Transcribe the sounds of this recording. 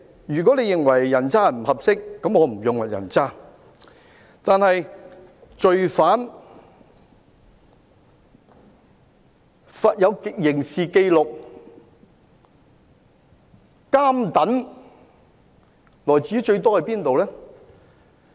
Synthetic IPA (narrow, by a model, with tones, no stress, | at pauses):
jyː˨k̬ɔ˨˥le˨˧jɪ˨ŋwɐ˨˩jːɐ˨˩nt͡saː˥m̩˨˩hɐ˨p̚sɪ˥kːɐ˨˥mɔː˨˧m̩˨˩jʊ˨ŋwɐ˨t̚jɐ̰˨˩nt͡saː˥ | t̪aː˨˧nhɐ˨j | t͡ʃɵ˧ɥfaː˨˥n | faː˨t̚jɐ˨˧wkjɪ˨˩ŋsiː˨ke˧jlʊ˨k̚ | kaː˥mt̪ɐ˨˥n | lɔː˨jt͡siː˨˦˥t͡ʃɵ˧ɥt̪ɔː˥hɐ˨˧jpiː˥nt̪o˨wlɛː˥